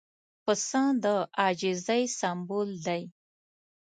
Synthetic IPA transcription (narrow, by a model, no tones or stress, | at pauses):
pəsɑ̃d̪əʔɑd͡ʒɪzajsambuld̪aj